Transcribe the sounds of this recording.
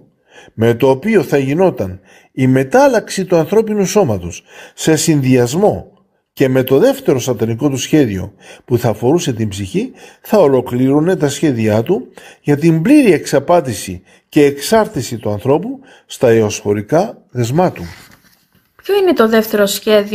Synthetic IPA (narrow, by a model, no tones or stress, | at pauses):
me̞t̪o̞ːpio̞θɐʝino̞t̪ɐn | ime̞t̪ɐlɐksit̪uɐnθɾo̞pinuso̞mɐt̪o̞sse̞sinðiɐzmo̞ | ce̞me̞t̪o̞ðe̞ft̪e̞ɾo̞sɐt̪ɐniko̞t̪usçe̞ðio̞̰puθɐːfo̞ɾuse̞t̪imbziçiθɐo̞lo̞kliɾune̞t̪ɐsçe̞ðiɐt̪uʝɐt̪imbliɾie̞ksɐpɐt̪isḭ | ce̞ːksɐɾt̪isit̪uɐnθɾo̞pu | st̪ɐeo̞sfo̞ɾikɐ | ðe̞zmɐt̪u | pçoine̞t̪o̞ðe̞ft̪e̞ɾosçeð